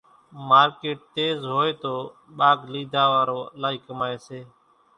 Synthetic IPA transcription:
maːɾkeːʈ̚t̪eːzɦoːeːt̪oː | ɓaːɡliːd̪ʱaːʋaːɾoːlaːiːkəmaːeːseː

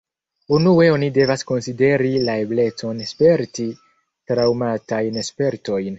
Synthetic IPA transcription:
unue̞o̞nide̞vasko̞nside̞ɾilae̞ble̞t͡so̞nespe̞ɾti | tɾawmatajnespe̞ɾto̞jn

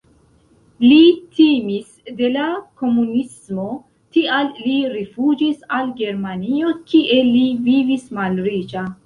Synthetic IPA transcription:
litimis | de̞lako̞munismo̞ | tialːiɾifud͡ʒisalɡe̞ɾmanio̞kiʔe̞livivismalɾid͡ʒa

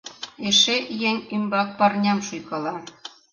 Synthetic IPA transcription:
eʃejeŋʲymbɑk̚pɑrnʲɑmʃujkɤlɑ

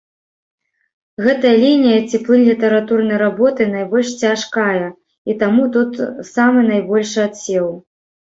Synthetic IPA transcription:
ɣɛt̪ɐjɐlʲinʲijɐt͡sʲiplˠɨnʲlʲit̪ɐɾat̪urnɐjɾabɔt̪ɨnajbɔlʲʂt͡sʲaʂkajɐ | it̪amut̪ut̪samɨnajbɔlʲʂat̪sʲɛw

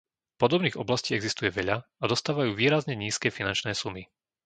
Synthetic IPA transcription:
pɔd̪ɔbniːɣɔ̰blasciːɛɡzist̪ujɛʋɛʎaad̪ɔst̪aːʋajuːʋiːɾazɲɛɲiːskɛːfinant͡ʃnɛːsumi

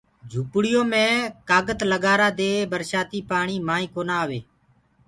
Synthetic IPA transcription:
d͡ʒʱuːpɽɪjõːmẽːkaːɡət̪ləɠaːɾaːd̪eːbəɾʃaːt̪iːpaːɳiːmaːĩːkoːnaːʋḛː

